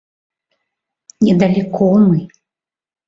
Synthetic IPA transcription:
nʲɛd̪ɐlʲikʰɔmɨ

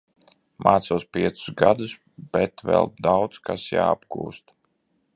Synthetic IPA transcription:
maːt̪suɔspʲiɛt̪su̥zɡad̪us | b̥ɛt̪vɛ̰lˠd̪awt̪skasja̰ːa̰bkṵːst̪

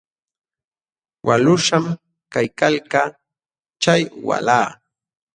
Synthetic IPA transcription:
wʔalʊʂam | kajkalkaː | t͡ʃajwa̰laː

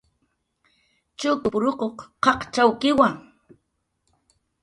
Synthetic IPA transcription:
t͡ʃʊkʊpʊɾokoqqɑqt͡ʃawkɪwaŋ

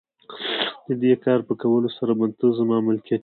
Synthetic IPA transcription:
d̪əd̪ekɑɾpəkawəlosaɾabant̪əzamɑmɪlkijat̪

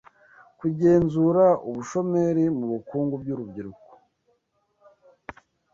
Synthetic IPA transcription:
kuɟe̞ːnzuɾauβuʃo̞me̞ɾimuβukuːŋɡub̚ɟuɾubɟiɾuko̥

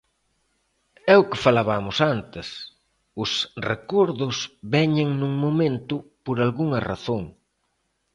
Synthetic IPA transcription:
ɛʊkɪfalaβamʊsant̪ɪs | ʊsrekɔɾðʊsβɛɲɪŋnuŋmomẽnt̪ʊpoɾalɣuŋɐra̰θoŋ

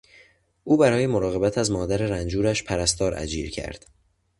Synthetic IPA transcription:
ʔuːbæɾɒːje̞moɾɒːɣe̞bæt̪ʰæzmɒːd̪æɾe̞ɾænd͡ʒuːɾæʃpʰæɾæst̪ɒːɾʔæ̰d͡ʒiːɾcʰæ̰ɾd̪̥

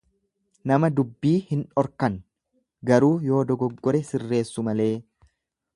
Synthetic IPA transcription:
nɐmɐd̪ʊbːiːhɪnᶑɔɾkɐn | ɡɐɾuːjo̞ːd̪ɔɡɔɡːɔɾɛsɪrːe̞ːsːʊmɐle̞ː

